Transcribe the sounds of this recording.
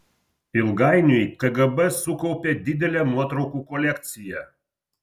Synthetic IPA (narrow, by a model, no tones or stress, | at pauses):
ilˠɡajnʲʊjk̪əɡɐbɛsukɔwpʲed̪ʲid̪ʲelʲemɔt̪ɾɔkukɔlʲekt̪sʲijɛ